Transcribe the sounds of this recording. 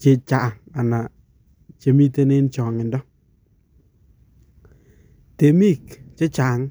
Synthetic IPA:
t͡ʃe˦t͡ʃa˨ŋa˨na˨ | t͡ʃe˨˦mi˦te˦nɪ˦nt͡ʃɔ˨ŋɪ˨ndɔ˦ | te˨mi˦˨kt͡ʃɪ˦t͡ʃa˨ŋ

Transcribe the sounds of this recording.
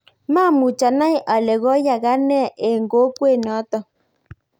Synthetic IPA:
ma˦˨mu˨t͡ʃa˨na˦jʔa˨lɛ˨ɣɔ˦ja˨ɣa˦nɛ˦˨ʔe˨ŋɡo˨˦kwe˦˨nɔ˨˦tɔ˨

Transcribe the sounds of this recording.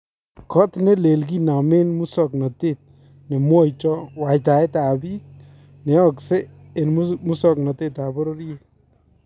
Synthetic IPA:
kɔ˦t̪ne˦le˨lɡ̬i˦na˨me˦nmu˦sɔ˨knɔ˨te˦t̪̚ | ne˨mwɔ˦˨jt͡ʃɔ˦wa˨jt̪a˨e˦t̪a˨bi˦k̚ | ne˨˦ɔ˨kseː˦˨ | nmu˦sɔ˦knɔ˨t̪e˦t̪a˨bɔ˦ɾo˦ɾje˦

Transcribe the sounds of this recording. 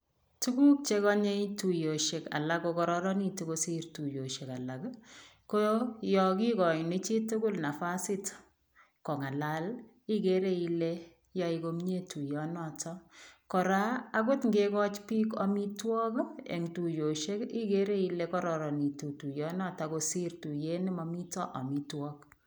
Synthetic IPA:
tu˦ku˦k̚t͡ʃe˦kɔ˦ɲe˦tu˨jo˨ʃe˨ka̰˨la˦ko˧kɔ˦ɾɔɾɔ˦ni˦˨tu˨ko˦si˦rtu˨jo˨ʃe˨ka˨la˨kko˦jɔ˨ki˦kɔ˨jne˦t͡ʃi˦tu˦kʊ˦lna˨fa˦si˦t | kɔ˨ŋa˨la˦l | i˦ke˦ɾe˦i˦le˦ | jɔ˦iko˦mɲe˦tu˨jɔnɔ˨tʰɔ˦kɔ˨ɾaː˦ko˦tŋɡe˦kɔ˦t͡ʃpi˦kɔ˦mi˦twɔ˦kḛ˨ŋtu˨jo˨ʃe˦ki˦ke˦ɾe˦i˦le˦kɔ˦ɾɔ˨ɾɔ˨ni˨tu˨tu˨jɔ˦nɔ˦ta˨ko˨si˦ɾtu˨je˦nɪ˦mɔ˦mi˦tɔ̰˦ʔɔ̰˨mi˦twɔ˦k

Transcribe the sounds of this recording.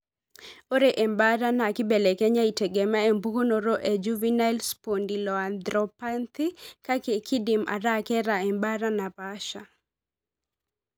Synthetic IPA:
o˦ɾe˨ʔɛ˨mba˦ɾa˦na˨kɪ˦bɛ˨lɛ˨kɛ˦ɲa˦i˨tɛ˨ɡɛ˨ma˦e˨mbu˦ko˦no˨ɾo˦ʔe˨d͡ʒu˦vi˦na˦lspo˨ndi˨lɔ˨a˨nd̪ɾɔpa˦nt̪ɪ˦ka˦ke˨kɪ˦dɪmʔa̰˨ɾa˦kɛ˦ɾa˨ɛ˨mba˦ɾa˦na˨paʃa˨

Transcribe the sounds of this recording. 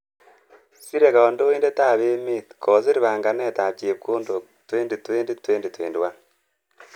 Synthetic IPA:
si˦ɾe˨ka˨o˨ndo˦iː˦nde˦ta˦˨βeː˦mi˦˨tko˨zi˦ɾi˨βaː˨ŋɡa˨ne˦˨ta˨t͡ʃe˨p̚koː˦ndo˨ | tweː˦ndi˨tweː˦ndi˦tweː˦ndi˨twḛː˨ndwa˦

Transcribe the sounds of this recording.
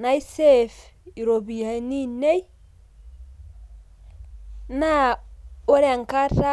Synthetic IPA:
na˦i˦se˦fi˨ɾo˨bi˨a˨ni˦ne˦j | na˦o˦ɾe˦a˨ŋka˦ɾa˦

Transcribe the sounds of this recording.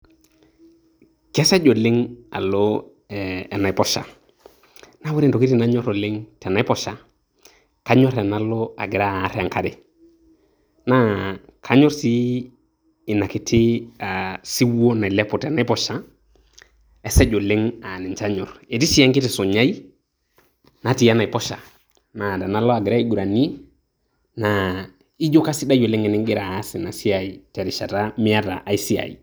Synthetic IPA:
kɛ˦sɛ˦d͡ʒo˨lɪ˦ŋa̰˨lɔ˦ | ɛ˨na˨i˨pɔ˦ʃa̰˨ | na˦wu˦ɾi˦ndɔ˨ki˦ti˦˨na˨˦ɲɔ˦ɾo˨lɪ˦ŋtɛ˨na˨˦pɔ˨ʃa˨ | ka˦ɲɔ˦ɾɛ˨na˨lɔ˦a̰˨ɡɪ˨ɾa˦˨˦ɾe˦a˨ŋka˦ɾɪ˨ | na˦kʰa˨˦ɲɔ˦ɾsi˦˨ | na˨kɪ˨tʰi˦a˨si˦wo˦na˨lɛ˦po˨tɛ˨na˦i˦pɔ˦ʃa˦ | e˨sa˦d͡ʒo˨le˦ŋa˨ni˨t͡ʃa˦ɲɔ˨ɾe˨ti˦si˦ja˦ŋki˦ti˨so˨ɲa˦i˦ | na˨ti˨ja˦na˨i˨pɔ˦ʃa˨ | na˨da˨na˨˦lo˦a˨ɡɪ˨ɾa˦i˦ɡu˨ɾa˨ni˦ | na˨ | i˦d͡ʒo˦ka˦si˦da˦jo˨le˦ŋɛ˨ni˦ŋɡi˦ɾaː˨˦si˨na˨si˦a˨i˨tɛ˨ɾi˨ʃa˨ta˦mi˦a˦ta̰˨ʔa˨i˦si˦a̰˨jḭ˨

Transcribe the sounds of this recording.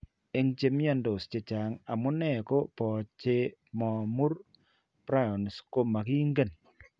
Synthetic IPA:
e˦ŋt͡ʃe˨mja˦ndo˨st͡ʃe˨t͡ʃa˨ŋa˨mʊ˦nɛ˦˨ko˦pɔ˨t͡ʃe˦mɔ˨mu˦ɾ | pɾa˦jɔ˨n˨sko˦ma˨ki˦ŋɡe˦˨n

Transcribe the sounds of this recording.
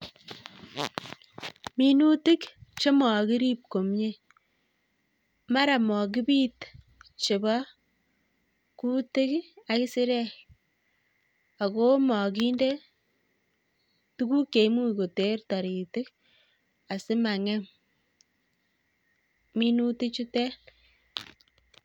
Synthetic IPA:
mi˦nu˦tɪ˦kt͡ʃe˦mɔ˨ki˦ɾi˦p̚ko˨mɲe˦ | ma˦ɾa˨mɔ˨k̬i˦biː˦t | t͡ʃe˨ba˦ | ku˦tɪ˦ka˦ki˦si˦ɾɛ˦ | a˨ko˦mɔ˨ki˦nde˦ | tu˦ku˦ke˨˦mu˦ko˨te˨˦ɾta˨ɾi˨tɪ˦k | a˨sɪ˦ma˨ŋɛ˦m | mi˦nu˦tɪ˦kt͡ʃu˦tɛ˦

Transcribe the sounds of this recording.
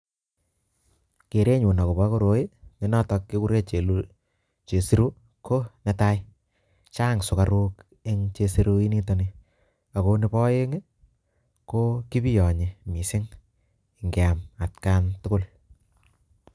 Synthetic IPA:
ke˨ɾe˦ɲu˨na˨ko˨pɔ˦ko˦ɾo˨˦ɪ˦ne˨˦nɔ˦tɔ˧kːi˦ku˦ɾe˦t͡ʃe˨lu | t͡ʃe˨si˦ɾu˦ | kʰo˦nɛ˦ta˦ɪ | t͡ʃa˦ŋsʊ˨ka˨ɾu˦k | e˦ŋt͡ʃe˧si˦ɾu˦i˦ni˦to˨ni˨ | a˨ko˧nɪ˧pɔ˦e˦ŋ˦ | ko˦ki˦pi˦jɔ˨ɲe˨mi˨sɪ˦ŋ | ɪ˨ŋɡe˨a˨ma˨tka˦ntʊ˦kʊ˦l

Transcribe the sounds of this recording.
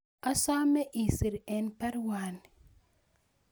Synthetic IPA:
a˦sa˦me˦ʔi˨si˨ɾe˨npɛ˦ɾwa˨n˨

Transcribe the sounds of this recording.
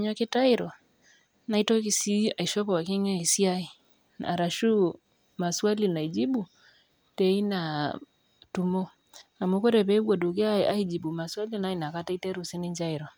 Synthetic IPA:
ɲɔ˨kɪ˦ta˦i˦ɾɔ˨ | na˨i˦tɔ˦ki˨si˦a˨i˨ʃɔ˦kɔ˨wa˨ki˦ŋɛ˦i˨si˦a˦i˨ | na̰˨ɾa˨ʃu˦ | ma˨swa˦li˨na˨i˨d͡ʒi˦bu˨ | tɛ˨i˦na˨ | tu˦mɔ˦ | a˨mu˦ko˦ɾɛ˨pɛ˦u˦ɡɔ˨du˨ke˦aa˦i˦d͡ʒi˨bu˨ma˨swa˦li˦na˨˦i˨na˨ka˦ta˦i˦tɛ˦ɾu˨si˦ni˦ɲd͡ʒa˦i˨ɾɔ˨

